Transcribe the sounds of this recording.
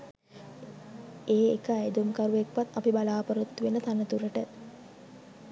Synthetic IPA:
eːekəed̪umkaɾuʋekʋat̪ːapibalaːpəɾut̪ːuʋenət̪anət̪uɾəʈə

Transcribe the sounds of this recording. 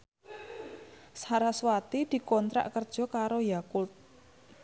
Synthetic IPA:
shaɾaswat̪id̪̥i̤kɔnt̪ɾa̰ʔkərd̥ʒ̥ɔ̤kaɾojakʊt̪̚

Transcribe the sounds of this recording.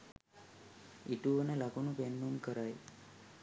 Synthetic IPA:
iʈuʋənəlakunupenːunkəɾaj

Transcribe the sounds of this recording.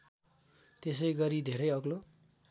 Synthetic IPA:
t̪esʌjɡʌɾid̪ʱeɾʌjʌɡlo

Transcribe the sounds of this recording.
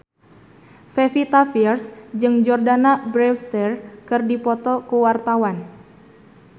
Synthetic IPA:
fefit̪afirsd͡ʒɨŋd͡ʒɔrdanabɾɛwst̪ɛrkɨrdipɔt̪ɔkuwart̪awan

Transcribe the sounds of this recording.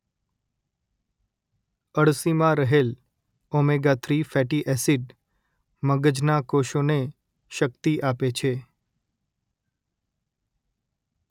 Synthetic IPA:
əɽsimãɾəɦel | omeɡat̪ʰɾifɛʈiʔɛsiɖ | məɡəd͡ʒnakoʃone | ʃəkt̪iʔapet͡ʃʰe

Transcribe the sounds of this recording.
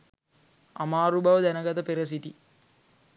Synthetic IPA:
ɐmaːɾubɐʋɐd̪ɛnɐɡɐt̪ɐpeɾɐs̬it̪i

